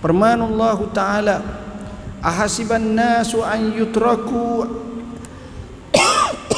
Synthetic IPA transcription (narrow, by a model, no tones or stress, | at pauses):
pərmanlˤːaɦut̪aala | ʔaɦasibanːaːsuanjʊt̪ɾɑku